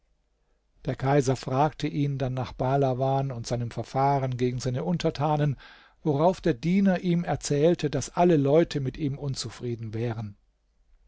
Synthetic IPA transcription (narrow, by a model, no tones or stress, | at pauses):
d̥eːɐkʰaɪzɐfʁ̥aːk̚tʰəʔiːndanːaːχb̥alavaːnʊntz̥aɪnəmfɛɐfaːʁənɡeːɡŋ̩zaɪnəʔʊntʰɐtʰaːnən | voʁaʊfd̥eːɐdiːnɐʔiːmɛɐt͡sɛːltʰədasʔaləlɔʏtʰəmɪtiːmʔʊnt͡sufʁ̥iːdn̩vɛːʁən